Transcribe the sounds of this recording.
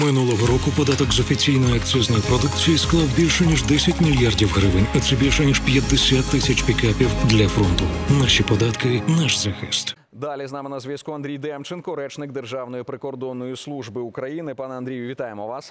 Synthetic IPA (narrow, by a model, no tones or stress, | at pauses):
mɪnulˠɔɦɔɾɔkʊpɔd̪ɑt̪ɔkzɔfʲit͡sʲijnɔjʊɐkt͡s̪ʲɔznɔjʊpɾɔd̪ukt͡sʲijisklˠɑwbʲilʲʃɛnʲiʒd̪ɛsʲɐtʲmʲilʲjardʲiwɦɾɪʋɪnʲɐt̪sɛbʲilʲʃɛnʲiʃpʲjɐd̪ːesʲat̪ːɪsʲɐt͡ʃpʲikɛpʲiwd̪lʲɐfɾɔnt̪ʊnaʃipɔd̪ɑt̪kɪnaʃzɐxɪst̪ | d̪alʲiznɑmɪnɐzʲʋʲɐskuɐnd̪ɾʲijd̪ɛmt͡ʃɛnkɔɾɛt͡ʃnɪk̚d̪erʒɑwnɔjipɾɪkɔrd̪ɔnːɔjʊslˠuʒbɨʊkɾɐjinɪpɑnɛɐnd̪ɾʲijʊʋʲit̪ɑjemɔʋɑs